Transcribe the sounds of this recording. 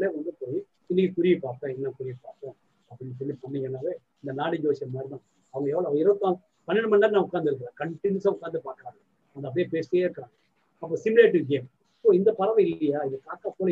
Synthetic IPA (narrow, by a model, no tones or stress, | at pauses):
leːʋɐnd̪ɯpoːji | ɪnːɪkːikʊɾɪjɐpaːɾkõːɛnːɐkʊɾɪjɐpaːɾkõː | ɐpːɽɪnsɔlːipɐnːɪŋɐnaːʋeː | ɪnd̪ɐnaːɽid͡ʒoːsɐnmaːdɾɪt̪ãː | ɐʋɐŋɡɐɛːʋɐɭɐʋɐɡɪɾɐʋɐt̪ːãː | pɐnːɪɽɯmɐnːɐɾnãːʊkːaːnd̪ɪɾɯkːɾẽːkɐɳʈɪnusãʊkːaːnd̪ɯpaːɾkːɪɾãːŋɡɐ | ɐʋɐŋɡɐp̬ɐɽjeːpeːseːɪɾɯkːɐɾãːŋɡɐ | ɐp̬ːoːsɪmɪleːʈːɪɡeːm | soːɪnd̪ɐpɐɾɐʋɛ̃ɪlːɐjaːɪðɯkaːkːaːpoːlɐ